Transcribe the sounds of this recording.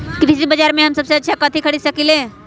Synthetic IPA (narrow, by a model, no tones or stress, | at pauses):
kɾɪsibəd͡ʒaːɾmẽɦɐmsɐbseɐtːʃʰakət̪ʰikʰəɽisɐkilẽː